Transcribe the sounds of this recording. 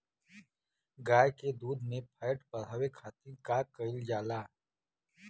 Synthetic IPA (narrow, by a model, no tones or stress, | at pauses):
ɡaːjked̪uːd̪mẽpʰəːɪʈpəɾ̤aːwekʰaːt̪ĩkakəɪld͡ʒaːlaː